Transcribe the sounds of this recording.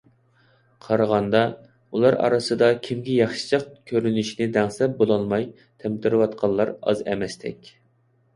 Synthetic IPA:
qʰɑɾəʁɑnd̪ɑ | ulˠɑɾɑ̰ɾɨsɨd̪ɑkʲʰimɡʲɛjɑχʃɨ̥t͡ʃʰɑqkʲʰøɾynɪʃnɪd̪ɛŋsɛp̚bolˠɑlˠmɑj | t̪ʰɛmt̪ʰɨɾɨwɑt̪qʰɑlˠːɑɾɑ̰zɛ̰mɛst̪ʰɛ̰kʲ

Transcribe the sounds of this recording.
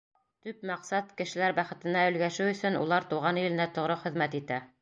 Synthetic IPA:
t̪ɵpmɑqsɑt̪kɘ̆ʃɘ̆læɾbæχɘ̆t̪ɘ̆næɵ̆lɡæʃɘwɵ̆sɵnṵlˠɑɾt̪uʁɑnjɵ̆lɘ̆næt̪ŏʁɾɤχɘ̆ðmæt̪it̪æ

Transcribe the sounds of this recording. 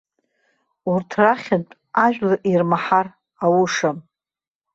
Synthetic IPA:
urtʰraχʲantʼ | aʒᶣlaʔirmaħar | awuʂam

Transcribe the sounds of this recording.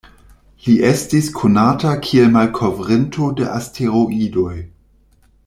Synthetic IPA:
liʔe̞stiskʰonatakʰielmalkʰovʁentʰodḛʔastʰeɾoʔido̞j

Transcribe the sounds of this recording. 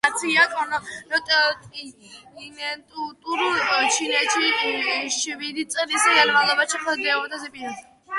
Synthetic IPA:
at̪sʰiat̪ʰʼɔnɔɾɔt̪ʼt̪ʼinɛt̪ʼut̪ʼuɾut͡ʃʰinɛt͡ʃʰiʃvid̪it̪sʼɾisɡanmalˠɔbat͡ʃʰiχʰəd̪ɛɔd̪azɛpʼin

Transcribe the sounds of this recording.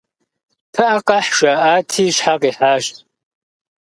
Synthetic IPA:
tʰaʔaqʼɑħʃʷaaːtʰiːʃħaqʼiħaːʃtʼ

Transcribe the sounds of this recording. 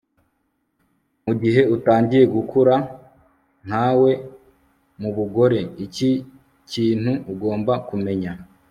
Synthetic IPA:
muɟiɦe̞utaːɲɟiɾe̞ɡukʰuɾa | n̥haːwe̞ | muβuɡo̞ɾe̞ici | ciːn̥huːɡo̞ːmbakume̞ɲa

